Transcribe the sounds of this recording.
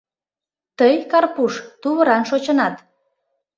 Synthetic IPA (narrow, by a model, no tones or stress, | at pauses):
t̪əjkɑrpuʃt̪uβə̆ɾɑnʃot͡ɕənɑt̪